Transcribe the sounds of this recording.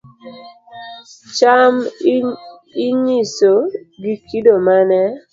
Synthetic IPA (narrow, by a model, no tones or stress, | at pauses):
t͡ʃam | iɲisoɡikʰidomanɛ